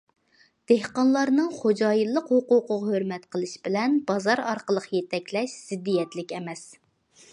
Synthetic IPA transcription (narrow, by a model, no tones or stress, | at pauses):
d̪̥ehqɑnlˠɑɾnɨŋχod͡ʒɑːjilˠːəqhoqoqʊʁhøɾmɛt̪qʰəlˠɨʃbɪlɛnbɑzɑɾɑɾqəlˠəqjet̪ʰɛkʲlɛʃz̥ɪd̪ːijɛt̪lɪkʲɛmɛs